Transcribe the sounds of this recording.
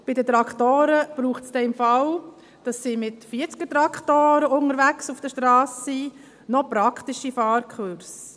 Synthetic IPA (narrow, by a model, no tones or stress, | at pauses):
b̥ɪdət̪ɾɑktoːɾəb̥ɾuːχtsd̥ɛɪmfɑl | d̥ɑsːimɪtfiət͡skətɾɑkχtoːɾəʊŋəɾʋæksufd̥əʃtɾɑːsi | nɔpɾɑkχtiʃifɑːɾkχøɾs